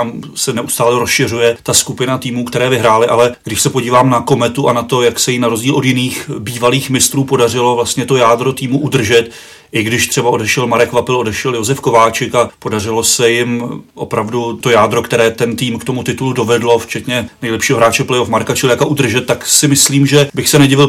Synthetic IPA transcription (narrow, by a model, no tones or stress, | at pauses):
amsɛnɛʔust̪aːlɛɾosʃɪr̝ujɛt̪askupɪnat̪iːmuːkt̪ɛɾɛːvɪɦɾaːlɪʔalɛɡdɪʃsɛpo̞ɟiːvaːmnako̞mɛt̪uʔanat̪o̞jaksɛjɪnaɾozɟiːlʔo̞d̪jɪniːxbiːvaliːxmɪst̪ɾuːpo̞darɪlo̞vlast̪ɲɛt̪o̞jaːd̪ɾo̞t̪iːmuʔudr̩ʒɛt̪ | ʔɪɡdɪʃt̪r̥ɛbaʔo̞dɛʃɛlmaɾɛkvapɪlo̞dɛʃɛljo̞zɛfko̞vaːt͡ʃɪkapo̞darɪlo̞sɛjɪmʔo̞̰pɾavdut̪o̞jaːd̪ɾo̞kt̪ɛɾɛːt̪ɛnt̪iːmkt̪o̞mut̪ɪt̪uludo̞vɛdlo̞ft͡ʃɛt̪ɲɛnɛjlɛpʃiːɦoɦɾaːt͡ʃɛplɛjofmaɾkat͡ʃɪlɪjakaʔud̪r̩ʒɛt̪̚tːaksɪmɪsliːmʒɛbɪxsɛnɛɟɪvɪl